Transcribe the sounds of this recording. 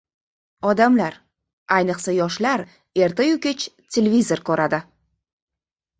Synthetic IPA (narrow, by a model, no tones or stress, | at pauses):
ɒd̪amlaɾ | ajnɨqsajɒʃlaɾ | e̞ɾt̪ʰajʊkʲet͡ʃt̪ʲʰelʲevʲizo̞ɾkʰoɾʔad̪ɪ